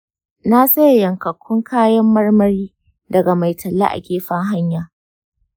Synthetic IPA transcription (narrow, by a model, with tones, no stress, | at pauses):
na˦sɐ˦jjɐ˨ŋkɐ˨kʷʰːʊ˦ŋkʰaː˦jɐ˦mːɐ˦rmɐ˦ɾiː˦ | dɐ˨ɡa˨ma˨jtʰɐ˨lːa̰˦ʔa̰˨ɡʲeː˦ɸɐ˦ŋɦa˦ɲjaː˨